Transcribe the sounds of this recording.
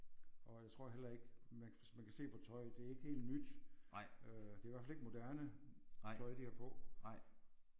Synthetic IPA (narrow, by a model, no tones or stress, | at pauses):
ʔɒ̽jaɪt͡sʰʁo̝ɐ̰ɦel̰ɐe̝ɡ̥mæn | mænkʰæse̝̰ːpʰɒt͡sʰɒ̽ɪd̥e̝æɐe̝ɡ̥əhe̝̰ːld̥nyd̥ | ød̥e̝æʋæɐfæleɡ̥əmo̝d̥æɐnət͡sʰɒ̽ɪd̥ihæpʰɒ̽